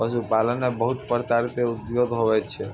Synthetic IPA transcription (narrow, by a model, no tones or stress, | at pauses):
pəʃupalənːebəɦut̪pəɾt̪aɾit̪eut̪jod̪ɦoʋɛt͡ʃʰɛ